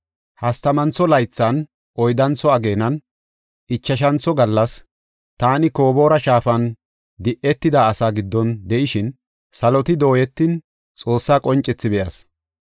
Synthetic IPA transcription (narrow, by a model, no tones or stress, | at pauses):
hɐst̪ɐmɐnt͡sːɔlɐjt͡sːɐn | ʔɔjd̪ɐnt͡sːɔɐɡe̞ːnɐn | ɪt͡ʃːɐʃ̬ɐnt͡sɔɡɐlːɐs | t̪aːnɪkoːbo̞ːɾɐʃaːfɐn | d̪ɪʔɛt̪ːɪd̪aːsaːɡɪd̪ːɔnd̪ɛʔɪʃɪn | sɐlɔt̪ɪd̪o̞ːjɛt̪ːɪn | t͡sʼo̞ːsːaːkʼɔnt͡ʃʼɛt͡sːɪbɛʔɐ̰s